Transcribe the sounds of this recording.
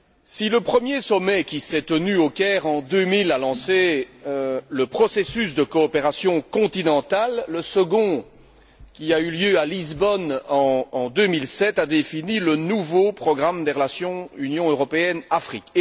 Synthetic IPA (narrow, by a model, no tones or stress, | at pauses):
siləpχəmjesɔmɛkʲisɛt̪ənyokʲɛːʁɑ̃d̪ømilalɑ̃se | ləpχɔsesys̬d̪əkɔːpeʁasjɔ̃kɔ̃t̪inɑ̃t̪alːəsəɡɔ̃ | kʲiayljøalizbɔnɑ̃ːd̪ømilsɛt̪ad̪efinilənuvopχɔɡʁamd̪eʁəlasjɔ̃ynjɔ̃øʁɔpeɛnafχik